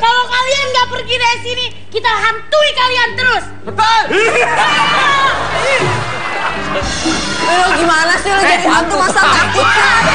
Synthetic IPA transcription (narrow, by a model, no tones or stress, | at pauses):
kalakalianɡaʔpərɡidaɾisini | kit̪aɦant̪uikaliant̪əɾʊs | oɡimanasɪlad͡ʒadiant̪umasat̪ak̚t̪ɪa